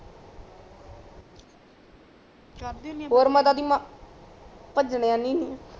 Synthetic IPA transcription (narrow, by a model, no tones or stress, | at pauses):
ɦoːɾmãt̪ad̪ima | pəd͡ʒɳejãːnĩːniː